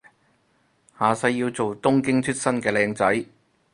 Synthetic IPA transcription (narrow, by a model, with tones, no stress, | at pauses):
haː˨sɐ˧jːiː˧wt͡so˨wt̪ʊ˥ŋkɪ˥ŋt͡ʃʰɵ˥t̚sɐ˥nkɛː˧lɛː˧ŋt͡sɐ˨˥j